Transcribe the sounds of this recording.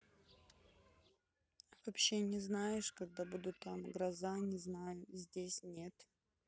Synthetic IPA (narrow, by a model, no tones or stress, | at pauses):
vɐpɕːenʲɪznajɪʂkɐɡ̚d̪abud̪ʊt̪ːamɡɾɐzanʲɪznajʊzʲdʲesʲnʲe̞t̪